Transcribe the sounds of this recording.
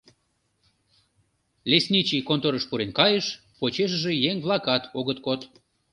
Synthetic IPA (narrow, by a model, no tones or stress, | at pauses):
lesʲnʲit͡ɕikont̪oɾəʃpuɾenkɑjəʃ | pot͡ɕeʃ̬ʒejeŋβlɑkɑt̪oɣət̪kot̪